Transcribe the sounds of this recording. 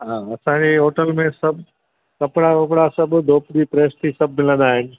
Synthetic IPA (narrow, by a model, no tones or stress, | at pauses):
ɦaːɐsãːd͡ʑeɦoːʈəlmẽsɐbʱ | kɐpɽakɐp̬ɽasɐbd̪ʱoːpd͡ʑipɾeːst̪ʰisɐb̚ʱmɪlə̃nd̪aːɦɪnɪ̆